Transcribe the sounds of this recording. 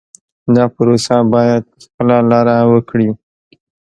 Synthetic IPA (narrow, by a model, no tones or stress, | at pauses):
d̪ɑpəɾosabɑjad̪̚xpəlalɑɾawəkɽi